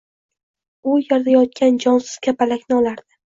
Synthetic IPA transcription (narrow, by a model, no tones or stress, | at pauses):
ʊjaɾd̪ajɒt̪̚kʲand͡ʒɒnsɪz̥ɡʲapalakʲnɪɒlˠaɾd̪ɪ